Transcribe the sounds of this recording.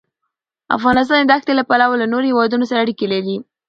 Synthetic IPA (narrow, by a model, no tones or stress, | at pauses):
a̰fɣɑnɪs̬t̪ɑnd̪axt̪elapalawalanoɾohewɑd̪unosaɾaːɽikelaɾi